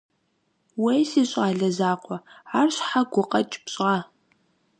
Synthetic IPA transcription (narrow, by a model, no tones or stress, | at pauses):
wejsiːɕʼaːɮɐzaːqʷʼɔaːrɕħaɡʷʊqʼɐt͡ʃʼɪ̥pɕʼʁaː